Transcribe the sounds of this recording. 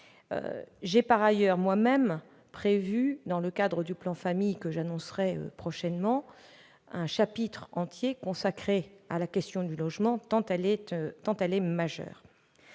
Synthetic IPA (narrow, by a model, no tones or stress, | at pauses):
ø̰ʒɛpaʁajœʁmwamɛm | pχevyd̪ɑ̃ləkad̪ʁəd̪yplɑ̃famijkəʒanɔ̃sʁɛø̰pχɔʃɛnmɑ̃ | ɛ̃ʃapit̪χɑ̃t̪jekɔ̃sakχea̰lakʲɛst̪jɔ̃d̪ylɔʒmɑ̃t̪ɑ̃t̪ɛlɛt̪t̪ɑ̃t̪ɛlɛmaʒœ̰ːʁ